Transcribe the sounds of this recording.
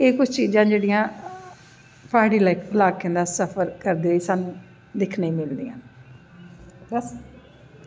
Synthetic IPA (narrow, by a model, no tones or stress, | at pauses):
eːkʊt͡ʃʰt͡ʃiːd͡ʒãːd͡ʒeːɽijãː | pʰaːɽiːlaɪkʰəlaːkːẽːnd̪aːsəpʰəɾkəɾd̪eːiːsaːnũː | d̪ɪkʰneĩːmɪld̪ijã̰ː | s